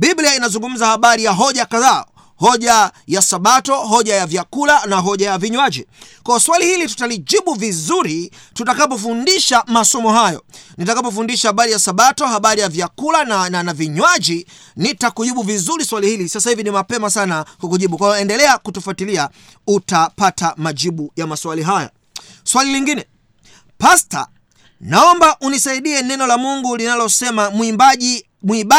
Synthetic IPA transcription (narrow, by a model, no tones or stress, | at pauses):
bibliainazuŋɡum̩zahaɓaɾijaɦɔʄakaða̰ː | hɔʄajasaɓatɔɦɔʄajavjakulanaɦɔʄajaviɲwaʄikwaɔswalihilitu̥taliʄiɓuvizuɾi | tutakap̬ɔfundiʃamasɔmɔɦajɔ̰nitakapɔfundiʃahaɓaɾijasaɓatɔhaɓaɾijavjakulannanaviɲwaʄi | nitakuʄiɓuvizuɾiswalihilisasahivinimapɛmasanakukuʄiɓukwajɔɛndɛlɛakutufatilia | utapatamaʄiɓujamaswaliɦajɔ̰ | swaliliŋɡinɛ | pasta̰ | naɔmbaʔunisaiɗiɛnɛnɔlamuŋɡulinalɔsɛmam | muiɓa